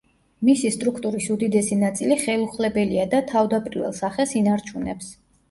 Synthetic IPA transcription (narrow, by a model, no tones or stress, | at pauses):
misist̪ʼɾukʰt̪ʼuɾisud̪id̪ɛsinat̪sʼiliχɛlˠuχlɛbɛliad̪at̪ʰavd̪apʼɾivɛ̰lˠsaχɛsinaɾt͡ʃʰunɛ̰ps